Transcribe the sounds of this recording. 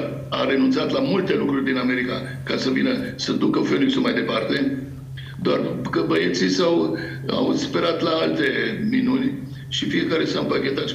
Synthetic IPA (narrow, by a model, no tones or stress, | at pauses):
a̰ɾe̞nunt̪sat̪lamult̪e̞lukɾurʲd̪iname̞ɾika | kasəvinəsəd̪ukəføniksulmajd̪epart̪e̞ | d̪oa̰rkəbəjet̪sisaw | a̰wspe̞ɾat̪laalt̪e̞minunʲ | ʃifie̞kaɾe̞sampakʲe̞t̪at̪